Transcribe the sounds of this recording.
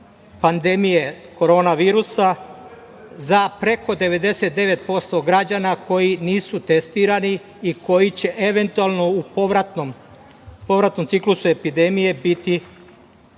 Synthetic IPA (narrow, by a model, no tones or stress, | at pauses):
pand̪e̞mije̞ko̞ɾo̞ːnaʋiːɾusa | zapɾe̞ko̞d̪e̞ʋe̞d̪e̞se̞t̪̚d̪e̞ʋe̞t̪̚po̞st̪o̞ɡɾad͡ʑanako̞jiniːsut̪e̞st̪iːɾani | iko̞jit͡ɕe̞ʔe̞ʋe̞nt̪ualno̞upɾat̪nom | po̞ʋɾat̪no̞mt̪iklusue̞pid̪e̞mije̞bit̪i